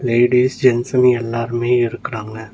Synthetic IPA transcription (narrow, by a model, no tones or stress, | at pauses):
leːɪɖiːsd͡ʒɛnsɐnɛlːaːɾɯmeːɪɾɯkːɪɾaːŋɡɐ